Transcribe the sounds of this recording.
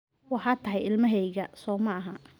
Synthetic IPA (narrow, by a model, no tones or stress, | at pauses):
wɑħɑt̪ʰɐɦɛjɪlmɐɦɛjɣɐsɔːmɐːɦɐ